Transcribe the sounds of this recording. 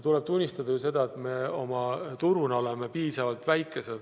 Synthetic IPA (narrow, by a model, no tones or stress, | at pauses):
t̪ule̞b̥̚t̪unʲːist̪ɑd̪̥ɑjuse̞d̪ɑe̞t̪me̞o̞mɑt̪uɾuno̞le̞me̞piːsɑvɑlt̪væjkːˑe̞sed̪̥